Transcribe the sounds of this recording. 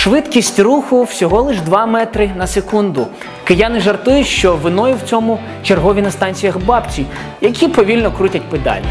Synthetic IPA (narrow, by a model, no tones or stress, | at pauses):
ʃʋɪd̪kʲisʲtʲruxʊwsʲɔɦɔlˠɪʒd̪ʋɑmɛt̪ɾɪnɐsekund̪ʊ | kɪjɑnɪʒɐrt̪ujʊʃt͡ʃɔʋɪnɔjʊwt͡sʲɔmʊ | t͡ʃerɦɔʋʲinɐst̪ɑnʲt͡sʲijɐxbɑpt͡sʲi | jɐkʲipɔʋʲilʲnɔkɾutʲɐtʲpɪd̪ɑ̰lʲɐ